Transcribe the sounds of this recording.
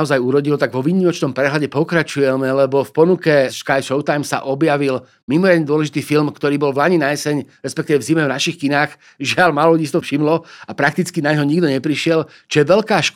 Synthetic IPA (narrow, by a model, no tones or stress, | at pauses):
ɔzajuɾɔɟilɔt̪aɡʋɔʋiːɲimɔt͡ʃnɔmpɾɛɦlaɟɛpɔkɾat͡ʃujɛmɛlɛbɔfpɔnukɛʃkajʃɔʊt̪ajmsa̰ʔɔbjaʋil | mimɔɾɪad̪ɲɛd̪ʊɔlɛʒit̪iːfilmkt̪ɔɾiːbɔlʋlaɲinajɛsɛɲɾɛspɛkt̪iːʋɛvzimɛvnaʃixkinaːx | ʒɪalmalɔlɟiːst̪ɔfʃimlɔapɾak̚t̪it͡skinaɲɦɔɲiɡd̪ɔɲɛpɾiʃɪɛl | t͡ʃjɛʋɛʎkaːʃk